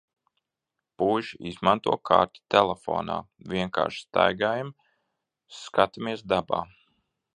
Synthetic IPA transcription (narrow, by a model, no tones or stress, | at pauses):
puːʒiizmant̪uɔkʰa̰ːɾt̪i̥t̪ɛlɛfo̰ːna̰ːvʲiɛŋka̰ːɾʃst̪a̰jɡaːjam | skat̪imiɛsd̪aba̰ː